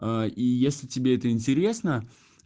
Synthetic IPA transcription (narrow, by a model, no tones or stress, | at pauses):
aijesʲlʲɪtʲɪbʲeɛt̪əɪnʲtʲɪɾʲe̞snə